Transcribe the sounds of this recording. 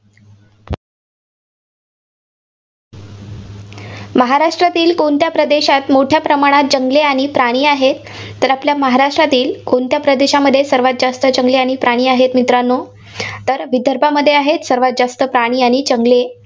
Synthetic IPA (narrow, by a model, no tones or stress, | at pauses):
məɦaɾaʂʈɾat̪iːlkont̪japɾəd̪eɕat̪moʈʰjapɾəmaɽ̃at̪̚d͡ʑəŋɡleaɽ̃ipɾaɽ̃iːaɦet̪ː | əɾapljaməɦaɾaʂʈɾat̪iːlkont̪japɾəd̪eɕaməd̪ʱːjesəɾʋat̪̚d͡zast̪ət͡ɕəŋɡleaɽ̃ipɾaɽ̃iːaɦet̪mit̪ɾanːo | t̪əɾʋid̪ʱəɾbʱaməd̪ʱːjeaɦet̪səɾʋat̪̚d͡ʑast̪əpɾaɽ̃iːaɽ̃it͡ɕəŋɡle